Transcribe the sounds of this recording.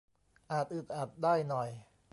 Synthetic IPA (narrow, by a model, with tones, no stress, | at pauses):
ʔaː˨˩t̪̚ʔɯ˨˩t̪̚ʔaː˨˩t̪̚daː˥˩jnɔ˨˩j